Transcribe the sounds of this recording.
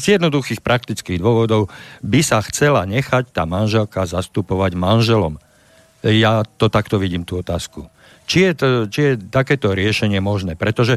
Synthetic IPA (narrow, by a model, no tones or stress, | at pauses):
zjɛd̪nɔd̪uxiːxpɾʔakt̪it͡skiːɣd̪ʊɔʋɔd̪ɔʊbisaxt͡sɛlaɲɛxact̪aːmanʒɛlkazast̪upɔʋaɟmanʒɛlɔm | jat̪ɔt̪akt̪ɔʋiɟiːmt̪uːɔt̪aːsku | t͡ʃijɛt̪t͡ʃijɛt̪akɛːt̪ɔɾɪɛʃɛɲɪɛmɔʒnɛːpɾɛt̪ɔʒɛ